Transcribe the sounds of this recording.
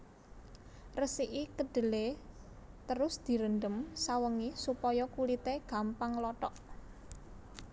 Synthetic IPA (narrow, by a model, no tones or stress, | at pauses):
rəsiʔikəɖ̥ə̤le | t̪əɾʊsd̪̥i̤ɾənd̪əmsawəŋisupɔjɔkulit̪eɡ̥a̤mpaŋlɔʈɔʔ